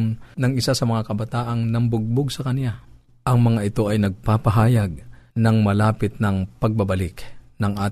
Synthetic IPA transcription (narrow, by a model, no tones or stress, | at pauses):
nnɐŋɪsasɐmɐŋakɐbɐt̪aːʔɐŋnɐmbʊɡ̚bʊɡsɐkɐnɪja | ʔɐŋmɐŋaʔɪt̪o̞ʔɐjnɐɡ̚papɐɦaːjɐɡ̚nɐŋmɐlaːpɪt̪̚nɐŋpɐɡ̚bɐbɐlɪknɐŋʔaːt̪